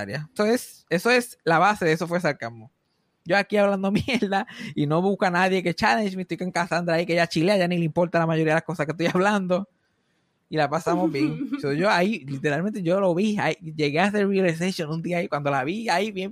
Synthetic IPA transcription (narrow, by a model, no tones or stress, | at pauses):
aɾjasoe̞s | e̞so̞e̞slaβase̞ðeso̞fwesaɾkamːo | ɟ͡ʝoakiaβland̪omjeɾd̪aino̞βuhkoanaðje̞ket͡ʃaleʃmist̪ojkeŋkasand̪ɾaikeeʝat͡ʃileaʝanileimpo̞ɾt̪alamaʝoɾiaðelako̞sahkest̪ojaβland̪o | ilapasamozbjeŋsoʝoailit̪e̞ɾalmẽ̞nt̪̬eʝo̞lo̞βiaiʝe̞ɣeaseɾriles̬eʃjonũnd̪iaikwand̪o̞laβiaiβje